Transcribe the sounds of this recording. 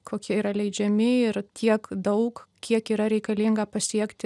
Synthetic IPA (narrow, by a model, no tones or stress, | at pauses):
kʰoːkʲiɛiɾɐlʲɛɪd͡ʒʲɛmʲɪɪɾt̪ʲʰiɛkd̪ɐʊkkʲiɛkiːɾɐɾʲɛɪkɐlʲɪŋɡɐpɐsʲiɛkt̪ʲɪ